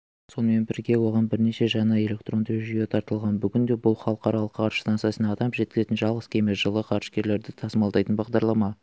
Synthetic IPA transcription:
so̞nəme̞nbɪɾɡʲe̞wo̞ʁɑnbɪɾne̞ʃe̞ʒɑnɑe̞le̞k̚t̪ɾro̞nd̪əʒyje̞t̪ʰɑɾt̪əlˠʁɑnbʏɡʲɪnd̪e̞bʊlˠχɑlˠəqɑɾɑlˠəqqʰːɑɾst̪ɑnt̪sɨjɑsənɑːd̪ɑmʒe̞t̪̚kʲɪzet̪ɪnʒɑlˠʁəz̥kʲʰe̞mesʒəlˠəqʰɑɾʃkʲe̞ɾle̞ɾd̪ɪt̪ʰɑsəmɑld̪ɑjt̪ənbɑʁd̪ɑɾlˠɑmɑ

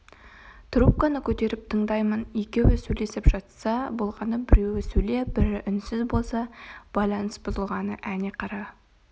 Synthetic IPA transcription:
t̪rup̚kanəkʲʰɵt̪e̞ɾɪp̚t̪ʰəɴd̪ɑjmənekʲe̞wɪsɵjle̞sɪpʒɑt̪sɑbolˠʁɑnəbɪɾe̞wɪsɵjle̞bɪɾɪʔʏnsɪzbo̞lˠsɑb̥ɑjlˠɑnəsbʊzəlˠʁɑnəʔæneqʰɑɾɑ

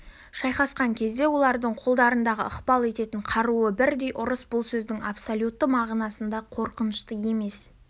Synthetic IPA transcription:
ʃɑjqɑsqɑŋkʲʰe̞zd̪e̞wo̞lˠɑɾd̪əɴqʰolˠd̪ɑɾənd̪ɑʁə̰əqpɑlˠe̞t̪e̞t̪ɪɴqʰɑɾuəbɪɾd̪e̞jʔʊɾəsbʊlˠsɵzd̪ɪŋapsolʲjut̪ːəmɑʁnɑsənd̪ɑqʰo̞ɾqənəʃt̪əje̞me̞s

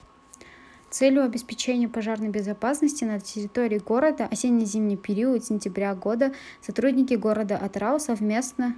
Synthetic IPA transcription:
t̪sɛlʲjʊɐbʲɪspʲɪt͡ɕenʲɪjəpɐʐarnəjbʲɪzɐpasnəsʲtʲɪnɐtʲɪɾʲɪt̪o̞ɾʲɪːɡo̞ɾəd̪əʔɐsʲenʲːijzʲimnʲɪjpʲɪɾʲiət̪sʲɪnʲtʲɪbɾʲaɡo̞d̪ə | sɐt̪ɾudʲnʲɪkʲɪɡo̞ɾəd̪əʔɐt̪ɾalˠsɐvmʲe̞snə

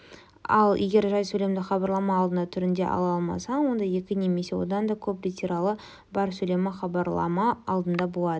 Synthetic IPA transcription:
ɑlˠje̞ɡʲe̞ɾʒɑjsɵle̞md̪ɪχɑbɑɾlˠɑmɑːlˠd̪ənd̪ɑt̪ʰʏɾɪnd̪e̞̰ʔɑ̰lˠɑɑlˠmɑ̰sɑwo̞nd̪ɑje̞kʲɪne̞me̞se̞wo̞̰d̪ɑnd̪ɑkʲʰɵpɾʲit̪ʲeɾɑlˠə | bɑɾsɵle̞mɪχɑbɑɾlˠɑ̰mɑɑlˠd̪ənd̪ɑbolˠɑd̪ə

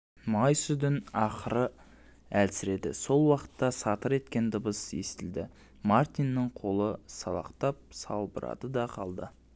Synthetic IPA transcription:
mɑjsʏd̪ɪnɑqəɾə | ælsɪɾe̞d̪ɪ̰so̞lˠwɑqə̥t̪ːɑsɑt̪əɾe̞t̪kʲe̞nd̪əbəsje̞st̪ɪld̪ɪ | mart̪inːəɴqʰo̞lˠəsɑlˠɑ̰qt̪ɑp̚sɑ̰lˠbəɾɑ̰d̪əd̪ɑqʰɑlˠd̪ə

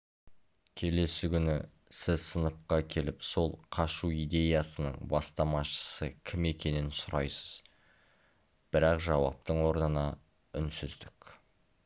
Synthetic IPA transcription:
kʲʰe̞le̞sɪkʲʏnɪ | sɪzsənəp̚qɑkʲʰe̞lɪpso̞lˠqʰɑʃuijd̪e̞jɑsənə̰ɴbɑst̪ɑmɑʃə̥səkʲʰɪme̞kʲe̞nɪnsʊɾɑjsə̥z̥ | b̥ɪɾɑqʒɑwɑ̰p̚t̪əɴwo̞ɾnənɑ | ʏnsʏzd̪ɪkʲ

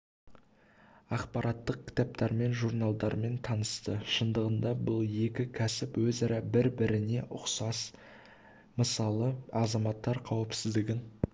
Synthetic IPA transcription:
ɑqpɑɾʔɑt̪ːəq̚kʲʰɪ̥t̪ɑp̚t̪ɑɾme̞nʒurnalˠd̪ɑɾme̞nt̪ʰɑnəst̪əʃənd̪əʁənd̪ɑbʊlˠje̞kʲɪkʲʰæsɪpwɵzɑɾɑbɪɾbɪɾɪne̞ʔʊ̰qsɑs | məsɑlˠəɑzɑmɑt̪ːɑɾqʰɑwɪpsɪzd̪ɪɡʲɪn

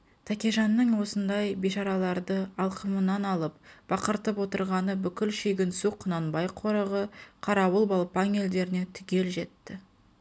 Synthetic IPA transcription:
t̪ʰækʲeʒɑnːəɴwo̞sənd̪ɑjbiʃɑɾɑlˠɑɾd̪əɑlˠqʰəmənɑnɑlˠəp̚b̥ɑqəɾt̪əpwo̞t̪əɾʁɑnəbʏkʲɪlʃejɡʲɪnsuqʰːʊnɑnbɑjqʰo̞ɾəʁəqʰɑɾɑwəlˠbɑlˠpɑŋe̞ld̪e̞ɾɪne̞t̪ʰʏkʲe̞lʒe̞t̪ːɪ

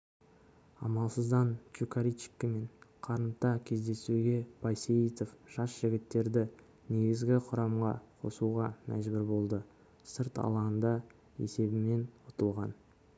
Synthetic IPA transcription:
ɑ̰mɑlˠsəzd̪ɑnt͡ʃukʰɑɾit͡ʃɪ̥kʲːɪme̞ɴqʰɑɾənt̪ɑkʲʰe̞zd̪e̞suɡʲe̞bɑjsejit̪ofʒ̥ɑsʒ̥ɪɡʲɪt̪ːe̞ɾd̪ɪ | ne̞ɡʲɪzɡʲɪqʰʊɾɑmʁɑqʰo̞̰suʁɑmæ̰ʒbɪɾbo̞lˠd̪ə | səɾt̪ɑ̰lˠɑənd̪ɑ | e̞̰se̞bɪme̞nwot̪əlˠʁɑn

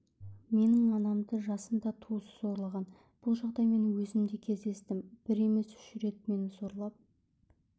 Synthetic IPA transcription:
me̞nɪŋɑnɑmd̪əʒɑsənd̪ɑt̪ʰusso̞ɾlˠɑʁɑn | b̥ʊlˠʒɑʁd̪ɑjme̞nwɵzɪmd̪ekʲʰe̞zd̪e̞st̪ɪmb̥ɪɾe̞me̞sʏ̥ʃɪɾe̞t̪̚me̞nɪso̞ɾlˠɑp̚

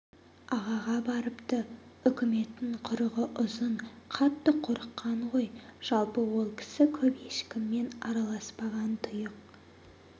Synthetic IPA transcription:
ɑʁɑʁɑbɑɾəpt̪ə | ʏkʲɪme̞t̪ːɪŋqʰʊɾəʁəʔʊzəɴqʰɑt̪ːəqʰʊɾəqːɑɴʁo̞jʒ̥ɑlˠpəwo̞lˠkʲʰɪ̥sɪkʲʰɵpe̞ʃkʲɪmːe̞nɑɾɑlˠɑspɑʁɑnt̪ʰʊjəq̚

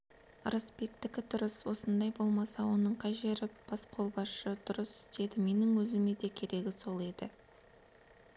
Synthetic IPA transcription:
əɾəspe̞kt̪ɪkʲɪd̪ʊɾəswo̞sənd̪ɑjbo̞lˠmɑsɑwo̞nəɴqʰɑjʒe̞ɾɪb̥ɑsqʰo̞lˠbɑsʃəd̪ʊɾəsɪ̥st̪e̞d̪ɪme̞nɪŋwɵzɪme̞d̪e̞kʲʰe̞ɾe̞ɡʲɪso̞lˠe̞d̪ɪ

